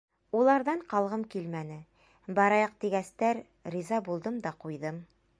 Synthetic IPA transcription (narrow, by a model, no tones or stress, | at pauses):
ulˠɑɾðɑɴqɑlˠʁɤmkilmænɘ | bɑɾɑjɑq̚t̪iɡæst̪æɾ | ɾizɑbulˠd̪ɤmd̪ɑqujðɤm